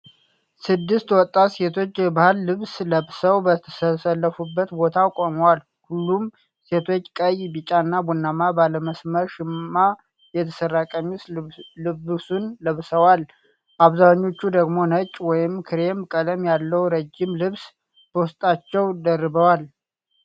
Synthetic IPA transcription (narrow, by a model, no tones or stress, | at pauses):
sɨd̪ːɨst̪wɔt̪ʼːase̞t̪ʰo̞t͡ʃːbahɨlːɨβsləβsəwbət̪ʰə̥səsəlːəfubːət̪bo̞t̪ʰakʼoməwal | hulːum | se̞t̪ʰo̞t͡ʃːkʼəjbit͡ʃʼaɨnːabunːamabaləməsməɾʃɪmːa | jɛt̪ʰə̥sərːakʼəɲːuslɨβsunləβsəwal | ʔaβzaɲːo̞t͡ʃːud̪əɡmo̞nət͡ʃʼːwɔjɪmkʰɨɾe̞mkʼələmjalːəwɾəd͡ʒːɪmlɨβs | b̥əwʊst̪ʼat͡ʃːɛwd̪ərːɨβəwal